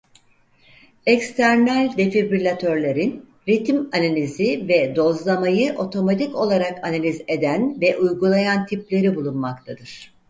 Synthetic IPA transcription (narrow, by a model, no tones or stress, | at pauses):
ɛkst̪ʰæɾnælʲd̪e̞fibylʲat̪ʰøɾlʲe̞ɾin | ɾit̪manalʲizivɛd̪o̞zlˠamajɯʔo̞t̪ʰo̞mat̪ʰiko̞lˠaɾakanalʲize̞d̪ænvɛʔujɡulˠajant̪ʰiplʲe̞ɾibulˠunmakt̪ʰad̪ɯɾ̥